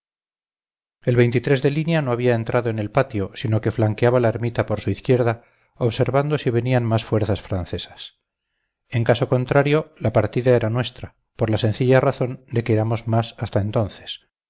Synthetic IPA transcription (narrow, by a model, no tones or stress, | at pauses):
e̞lβe̞jnt̪it̪ɾe̞zðe̞linjano̞aβ̞iae̞nt̪ɾʔaðoe̞ne̞lpat̪jo̞sino̞ke̞flaŋkeaβalaeɾmit̪apo̞ɾsuiθkje̞ɾða | oβse̞ɾβand̪o̞siβe̞nianmasfwe̞ɾθasfɾanθe̞sḁs | e̞ŋkaso̞ko̞nt̪ɾaɾjo̞lapaɾt̪iðae̞ɾanwe̞st̪ɾa | poɾlasẽ̞nθiʎaraθo̞nd̪e̞keeɾamo̞zmasast̪ae̞nt̪o̞nθe̥s